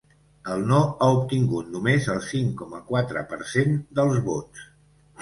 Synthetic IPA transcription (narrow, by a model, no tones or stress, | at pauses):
əlˠnoaup̚t̪iŋɡut̪numezəlˠsiŋkɔməkwat̪ɾə̰pə̰ɾsend̪əlˠzβots